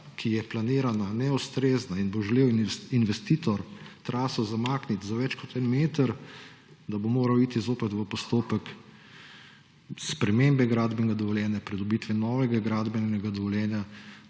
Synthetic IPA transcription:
kʰijɛplaniːɾananɛust̪ɾeːznainboʒɛleːwinʋɛst̪it̪ɔɾt̪ɾʔaːsɔzamaːknit̪zaʋɛt͡ʃkɔt̪ɛnmeːt̪əɾ | d̪abomoːɾawit̪izoːpɛt̪ʋəpɔst̪oːpək | spɾɛmembɛɡɾaːd̪bɛnɡad̪ɔʋɔljɛːnjapɾid̪ɔbiːt̪ʋinɔːʋɛɡaɡɾaːd̪bɛnɛɡad̪ɔʋɔljɛːnja

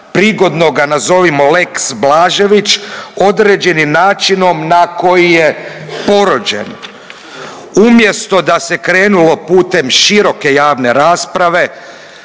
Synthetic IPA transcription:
pɾiːɡo̞d̪no̞ɡanazo̞ʋimole̞ksblaːʒe̞ʋit͡ʃo̞d̪ɾeːd͡ʑe̞nimnaːt͡ʃino̞mnako̞jije̞po̞ɾod͡ʑḛn | umje̞st̪o̞d̪ase̞kɾeːnulo̞puːt̪e̞mʃiɾo̞ke̞jaːʋne̞ɾaːspɾaʋe̞

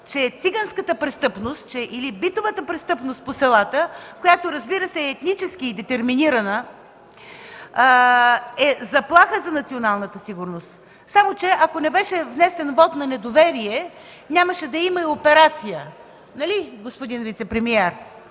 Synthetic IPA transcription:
t͡ʃɛt̪siɡanskət̪əpɾɛst̪ɤpnost̪̚t͡ʃɛʔilibit̪ovət̪əpɾɛst̪ɤpnost̪̚posɛlˠat̪əkojat̪oɾɐzbiɾəsɛːt̪nit͡ʃɛskiːd̪ɛt̪ɛɾminiɾɐnə | ɛzɐplˠaxəzɐnɐt̪sionalˠnət̪əsiɡʊɾnost̪ | samot͡ʃɛʔɐkonɛbɛʃɛvnɛsɛnvɔt̪nɐnɛd̪ovɛɾiɛ | nʲaməʃɛd̪ɐimɐiopɛɾat̪sijə | nɐliɡospod̪invit̪sɛpɾɛmiɛɾ

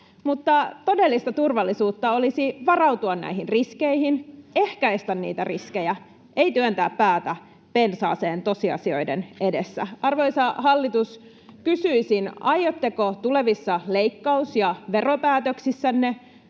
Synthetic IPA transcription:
mut̪ːɑt̪o̞delːist̪ɑt̪urʋɑlːisuːt̪ːɑolisiʋɑrɑwt̪uɑnnæ̰iɦinriskeihinehkæist̪ænːnḭːt̪æriskejæ | ʔe̞it̪yønt̪æːppæːt̪æ | pe̞nsɑ̰ːseːnt̪o̞siɑ̰sio̞̰jdḛnʔedesːæ̰ɑrʋoisɑhɑlːit̪us | kysyisinɑjːot̪ːekot̪ule̞ʋisːɑleikːɑusjɑʋeropæːt̪øksisːænːe

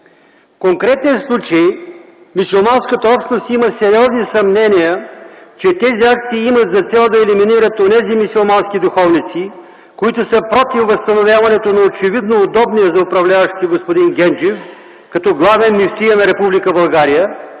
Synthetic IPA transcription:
fkoŋkɾɛt̪nɛnslˠut͡ʃəj | misʲulˠmanskət̪ɐɔpʃnost̪iməsɛɾiɔznisɐmnɛnijət͡ʃɛt̪ɛziak̚t̪siːimət̪zɐt̪sɛlˠd̪ɐɛliminiɾət̪onɛzimisʲolˠmanskʲid̪ʊxɔvnit̪si | koit̪ʊsəpɾɔt̪ifvɐst̪ɐnovʲjavɐnɛt̪onɐot͡ʃɛvid̪noːd̪ɔbniəzɐʊpɾɐvlʲavɐʃt̪ʲiɡospod̪inɡʲɛnd͡ʒif | kɐt̪ɔɡlˠavɛnmift̪ijənɐɾɛpublikəbɐlˠɡaɾijə

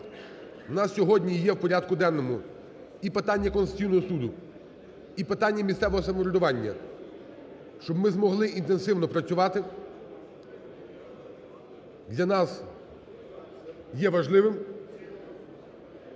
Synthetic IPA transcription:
nɑssʲɔɦɔdʲnʲijɛwpɔɾʲɑd̪kʊd̪ɛnːɔmʊ | ipɪt̪ɑnʲːɐkɔnsʲijnɔɦɔsud̪ʊ | ipɪt̪ɑnʲːɐmʲist̪sɛʋɔɦɔsɐmɔɾʲʊd̪ʊʋɑnʲːɐ̰ | ʃt͡ʃɔbmɪzmɔɦlˠɪint̪ensɪwnɔpɾɐt͡sʲʊʋɑt̪ɪ | d̪lʲɐnɑs | jɛʋɐʒlˠɪʋɪm

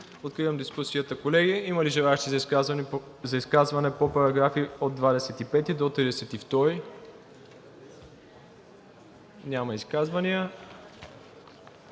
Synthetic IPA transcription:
pot̪̚kɾivəmd̪iskusiət̪əkolɛɡiiməliʒɛlˠaɛʃt̪iz | zɐiskazvɐnɛpopɐɾɐɡɾafiod̪vad̪ɛsɛt̪ipɛt̪id̪ot̪ɾid̪ɛsɛt̪ift̪ɔɾi | nʲamɐiskazvɐniə

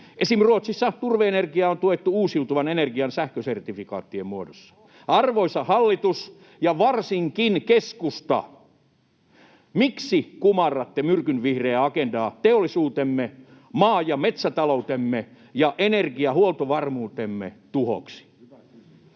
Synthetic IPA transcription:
ʔesimruot̪sisːɑt̪urʋeenerkiɑont̪uet̪ːuuːsiut̪uʋɑnenerɡiɑnsæhkøsert̪ifikɑ̰ːt̪ːiemmuodosːɑ̥ | ɑrʋoisɑhɑlːit̪us | jɑʋɑrsiŋkinkeskust̪ɑ̰ | miksikumɑrːɑt̪ːemyrkynʋihreːɑkendɑːt̪eolːisuːt̪emːe | mɑːjɑmet̪sæt̪ɑlout̪emːe | jɑʔenerkiɑhuolt̪oʋɑrmuːt̪emːḛt̪uho̰ksi̥

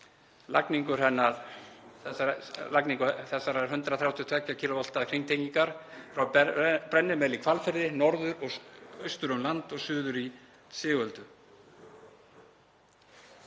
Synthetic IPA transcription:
la̰kniŋkʏɾ̥ɦɛnːaɾθɛsalakniŋkʏθɛsːaɾaɾ̥ɦʏnt̪ɾaθɾjawt̪jʏt̪ʰɛcːacʰiːlʊval̥t̪aðkʰɾiŋt̪ʰejciŋkaɾ̥fɾawpɾɛnːɪmɛlikʰvalfɪɾðɪnɔɾðʏɾɔɣœɥst̪ʏɾʏmlant̪ɔɣsʏːðʏɾi | sɪːɣœlt̪ʏ

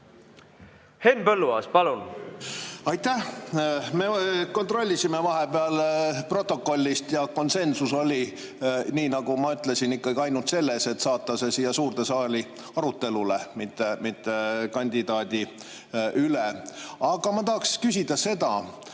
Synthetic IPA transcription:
he̞npɤlːuɑ̰spɑlun | ɑjt̪ːæh | me̞ko̞nt̪ro̞lʲːisimevɑɦe̞beɑlpro̞t̪ːˑo̞kːˑo̞lʲːist̪jɑko̞nse̞nsuso̞lʲi | niːnɑɡ̥umɑyt̪ˑle̞sinikːɑɡiɑjnult̪se̞lːese̞t̪sɑːt̪ːˑɑsesijɑsuːrt̪e̞sɑːli | ɑɾut̪ːe̞lulemit̪ːemit̪ːekɑnʲd̪̥ʲid̪ɑːd̪̥ʲi | ʔyleɑɡ̥ɑmɑt̪ɑɦɑkskysʲid̪̥ɑse̞d̪ɑ

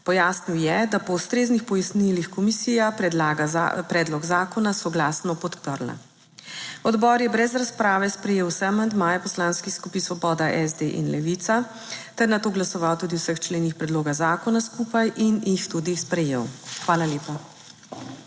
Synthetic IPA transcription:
pɔjaːsniwjɛd̪apɔust̪ɾeːznixpɔjasnilixkɔmisijapɾɛd̪aɡa̰pɾɛːd̪lɔɡzaːkɔnasɔɡlaːsnɔpɔt̪pəɾla̰ | ɔd̪bɔːɾjɛbɾɛzɾaspɾaːʋɛspɾɛjeːwsɛamand̪maːjɛpɔslaːnskiskupisʋɔbɔːd̪aʔɛzd̪eʔḭnlɛʋit̪sa | t̪ɛɾnat̪oːɡlasɔʋawt̪uːd̪iwsəxt͡ʃleːnixpɾɛd̪loːɡazaːkɔnaskupajʔinjixt̪ud̪ispɾɛjḛwxʋaːlaljeːpa

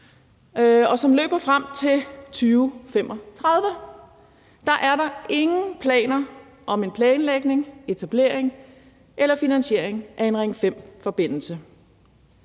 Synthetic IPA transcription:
ɒ̽sɒ̽mlø̰ːb̥ɐfʁam̰t͡sʰe̝lt͡sʰyːʊfem̰ʔɒt͡sʰʁað̞ˠʋə | d̥ɑ̈ʔæɐɾɑ̈e̝ŋn̩pʰlɛ̰ːnɐ | ʔɒ̽me̝npʰlɛːnleɡ̥ne̝ŋe̝t͡sʰæb̥le̝ɐ̰eŋ | ʔelɐfinænɕe̝ɐ̰eŋʔæe̝nʁaŋ̰fem̰fɒ̽b̥e̝n̰l̩sə

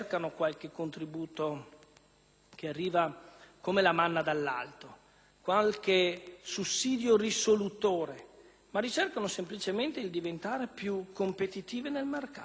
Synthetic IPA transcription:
rkanokwalk̟ekːont̪ɾibuːt̪o | k̟earːiːvakomelamanːad̪alːa̰lt̪o | kwalkesusːiːd̪jorisolut̪oːɾe | marit͡ʃerkanosemplit͡ʃement̪eild̪ivent̪aːɾepjukːompet̪it̪iːvenelmerkaː

